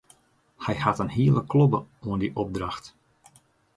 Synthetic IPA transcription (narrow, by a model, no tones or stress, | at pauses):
hɛjhatənhiəlˠəkʰlɔbəuəndiʔɔb̚draxt